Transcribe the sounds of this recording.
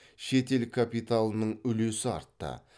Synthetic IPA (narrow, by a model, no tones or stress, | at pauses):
ʃe̞t̪e̞lkʰapijt̪alˠnəɴʏle̞sɪɑ̰ɾt̪ːə̰